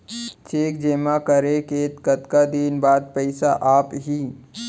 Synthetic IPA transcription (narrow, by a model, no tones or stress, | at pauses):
t͡ʃeːk̚d͡ʒeːmakəɾekeːt̪kət̪kad̪iːnbaːd̪̚pɛɪsaʔaːpɦiː